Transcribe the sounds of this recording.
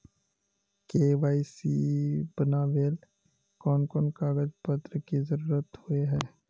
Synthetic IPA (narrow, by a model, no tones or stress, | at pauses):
keːʋaːisibənaːʋeːl | kɔːnkɔːnkaːɡəd͡ʒpət̪ɾəkizəɾuːɾət̪hʊeɦɛː